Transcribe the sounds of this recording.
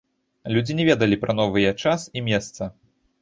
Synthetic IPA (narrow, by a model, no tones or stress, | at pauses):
lʲud͡zʲinʲɛvʲɛd̪ɐlʲipɾɐn̪ɔvɨjɐt͡ʂasimʲɛst̪sɐ